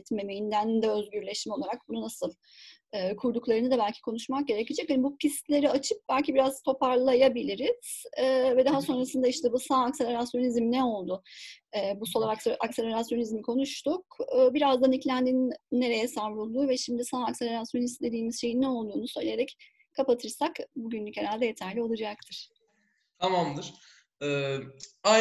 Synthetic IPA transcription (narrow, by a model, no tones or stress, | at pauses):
t̪me̞mejind̪ænd̪ɛøzɟyɾlʲeʃmilˠaɾak̚bununasɯlˠ | ɯːkʰuɾd̪uklˠaɾɯnɯd̪abælʲcʰi̥kʰo̞nuʃmak̚ɟe̞ɾecʰid͡ʒɛchanibucʰist̪lʲe̞ɾiat͡ʃʰɯp̚bælʲcibiɾazt̪ʰo̞paɾlˠajabilʲiɾiz̥ɛːvɛd̪aɦaso̞nɾasɯnd̪aiʃt̪ɛbusaːkse̞lʲe̞ɾasjo̞nizmnɛo̞lˠd̪ʊɛːbusolˠaaksʔakse̞lʲeɾasjo̞nizmikʰo̞nuʃt̪ʰukːbiɾazd̪aniclʲænd̪inːe̞ɾe̞jɛsaɾbulˠd̪uːvɛʃimd̪isaːkse̞lʲe̞ɾasjo̞nist̪d̪e̞d̪iːmizʃe̞jinːɛo̞lˠd̪uːnusø̞jlʲejeɾɛc | kʰːapat̪ʰɯɾsakbuɟynlʲyche̞ɾalʲd̪ɛje̞t̪ʰæɾlʲio̞lˠud͡ʒak̚t̪ʰɯɾ̥ | t̪ʰamamd̪ɯɾ̥ | ɛ | a